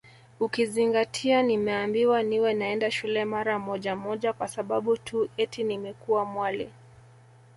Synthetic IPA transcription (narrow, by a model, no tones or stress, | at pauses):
ukiziŋɡatʰianimɛambiwaniwɛnaɛndaʃulɛmaɾamɔʄamɔʄakwasaɓaɓutʰuɛtʰinimɛkuwamwalɛ